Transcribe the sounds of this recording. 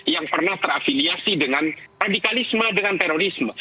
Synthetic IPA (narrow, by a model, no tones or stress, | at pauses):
jaŋpərnaht̪əɾafiliasidəŋanradikalɪsmədəŋant̪eɾoɾɪsmə